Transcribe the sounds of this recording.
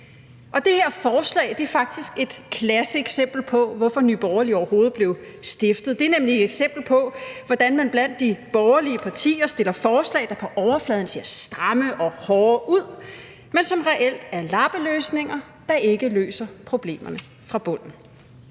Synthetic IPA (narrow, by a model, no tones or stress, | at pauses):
ʔɒ̽d̥e̝heɐfɒːslɛ̰ɪd̥e̝æɐfɑ̈ɡ̥̚d̥isɡ̥e̝d̥kʰlæsəeɡ̥sem̰b̥l̩pʰɒ̽ʋɒfɒ̽nyːb̥ɒʊɐliɒʊɐɦo̝ːð̞̩ˠb̥le̝ʊ | sd̥e̝fd̥ð̩ˠd̥e̝æɐnemliedeɡ̥sem̰b̥l̩pʰɒ̽ʋɒ̽d̥ænmænb̥læn̰d̥ːib̥ɒʊɐliəpʰɑ̈t͡sʰḭːɐsd̥e̝lɐfɒːslɛ̰ɪd̥ɑ̈pʰɒ̽ʔɒʊɐflɛð̞ˠn̩se̝ɐsd̥ʁɑ̈məʔɒ̽hɒːuð̞̰ˠ | mensɒ̽mʁɛʔel̰d̥æɐlɑ̈b̥əløːsne̝ŋɐ | d̥ɑ̈ʔe̝ɡ̥əlø̰ːsɐpʰʁo̝b̥le̝̰ːmɐnə | fʁɑ̈b̥ɔ̽n̰n̩